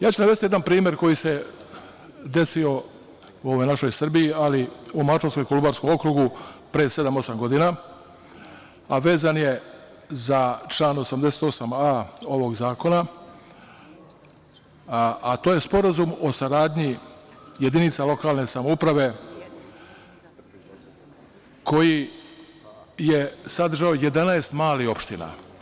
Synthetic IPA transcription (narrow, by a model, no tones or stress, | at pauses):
jaːt͡ʃunaʋest̪jed̪anpɾiːmje̞ɾko̞jise̞ | d̪e̞sio̞ | uoːʋojnaʃo̞jsr̩bijialiumat͡ʃonsko̞jkolubaːɾsko̞mo̞kɾuɡupɾeːse̞d̪amo̞samɡo̞d̪ina | aʋe̞ːzanje̞ | zat͡ʃlˠaːno̞samd̪ese̥t̪o̞samao̞ʋo̞ɡzaːko̞na | at̪oːje̞spo̞ɾazumo̞saɾaːd̪ʲɲije̞d̪init̪salo̞kaːlˠne̞samoupɾaʋe̞ | kʰo̞ji | je̞sad̪r̩ʒaoje̞d̪anaest̪maːlio̞pʃt̪ina̰